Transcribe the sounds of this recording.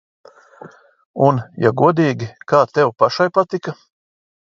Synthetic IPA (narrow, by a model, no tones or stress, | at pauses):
unja̰ɡuɔd̪iːɡʲikaːt̪ɛwpaʃajpat̪ika